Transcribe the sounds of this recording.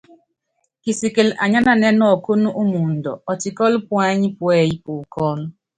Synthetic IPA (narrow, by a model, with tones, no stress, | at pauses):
ki˨si˨ke˨lʔa˨ɲa˦na˨ne˦nɔ˨ko˦nʊ˦ʔu˦mu˨n̩˨dɔ̰˨ɔ˨tɪ˨kɔ˦lɪ˦pʊ˦a˦ɲɪ˦pʊ˨e˨ji˦pʊ˨kɔ˦nʊ˦